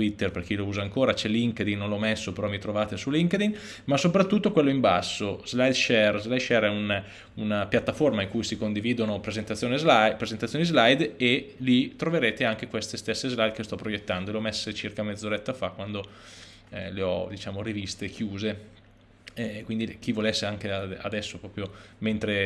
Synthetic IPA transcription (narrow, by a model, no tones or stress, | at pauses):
t̪wit̪ːerperk̟ilouːzaŋkoːɾat͡ʃɛliŋked̪inːnõnlɔmesːopeɾɔmit̪ɾovaːt̪esulːiŋked̪in | masopɾat̪ːut̪ːokwelːoimbasːozlajd̪ʃɛrzlaj̪ʃɛɾɛun | unapjat̪ːaformaiŋkujsikond̪iviːd̪onopɾezent̪at̪ːjoːnezapɾezent̪at̪ːjoːnizlajd̪elit̪ːɾoveɾeːt̪eaŋk̟ekwest̪est̪esːezlajd̪̚kest̪ɔpːɾojet̪ːand̪oeleɔmesːet͡ʃirkamed̪zoɾɛt̪ːafakwand̪o | leɔ̰d̪it͡ʃaːmorivist̪ekʰjuːze | ɛkwind̪ik̟ivolesːeaŋkeaa̰d̪ɛsːopɾɔːpɾjoment̪ɾe